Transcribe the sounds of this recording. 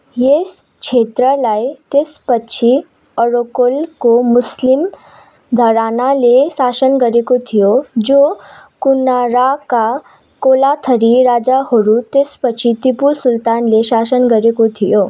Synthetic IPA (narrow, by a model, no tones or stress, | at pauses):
jes | kʰet̪ɾəlajt̪espəːt͡ʃʰi | əɾokolkomuslim | d̪ʱəɾanalesasənɡəɾekot̪ʰijod͡ʒokunaɾaka | kolat̪ʰəɾiɾad͡ʒahoɾut̪espət͡ʃʰit̪ipulsult̪anlesasənɡəɾekot̪ʰijo